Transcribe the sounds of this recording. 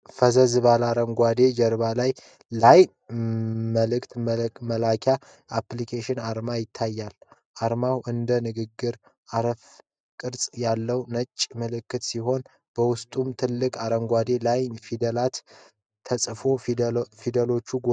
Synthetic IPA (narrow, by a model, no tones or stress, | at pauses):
fəzəzɨβalaɾəŋɡʷwad̪e̞d͡ʒəɾβalaj | laj | məlɨkt̪məlakʰa | aplikʰeʃɪnaɾmajɪt̪ʰːajːal | ʔaɾmawʔɨnd̪ənɨɡɨɡːɨɾ | ʔaɾəf | kʼɨɾsʼjalːəwnət͡ʃʼːməlɨkːɨt̪siɦo̞n | b̥əwʊst̪ʼumt̪ʰɨlːɨkʼaɾəŋɡʷad̪e̞lajfid̪əlat̪ʰː | əsʼfo̞fid̪əlo̞t͡ʃːuɡ